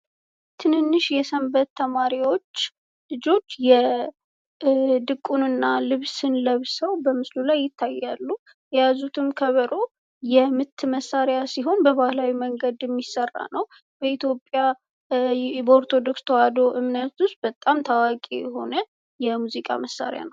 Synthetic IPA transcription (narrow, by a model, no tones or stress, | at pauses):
t̪ʰɨnɨnːɨʃjɛsəmbət̪ːəmaɾiwo̞t͡ʃː | lɨd͡ʒo̞t͡ʃːjɛ | d̪ɨkʼːunɨnːalɨβsɨnləβsəwbəmɨslulajːɪt̪ʰːajːalːu | jɛjazut̪ʰɨmkʰəβəɾo | jɛmɨt̪ːməsːaɾjasiɦo̞nbəβahlawiməŋɡəd̪jɛmːisːərːa̰nəw | b̥əit̪ʰjo̞pʼːja | bəoɾt̪ʰo̞d̪o̞kst̪ʰəwad̪o̞ʔɨmnət̪ʊst̪̚bət̪ʼamt̪ʰawakʼḭjɛɦo̞̰nə | jɛmuzikʼa̰məsːa̰ɾja̰nəw